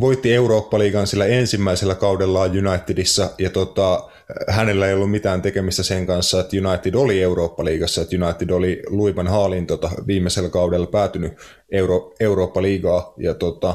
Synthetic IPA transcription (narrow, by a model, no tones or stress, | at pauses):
ʋo̞jt̪ːie̞uɾoːpːɑliːɡɑnsilːæensimːæiselːækɑudelːɑːjunɑit̪ːidisːɑjɑt̪ot̪ɑ | hæne̞lːæeijolːumit̪æːnt̪e̞kemist̪æseŋkɑnsːɑet̪junɑit̪ːidolieuɾo̞ːpːɑliːɡ̥ɑsːɑet̪jynɑit̪ːidoliluipɑnhɑːlint̪ot̪ɑʋiːmːeselːkɑudelːpæːt̪yny | euɾoeuɾo̞ːpːɑliːɡɑːjɑt̪ot̪ɑ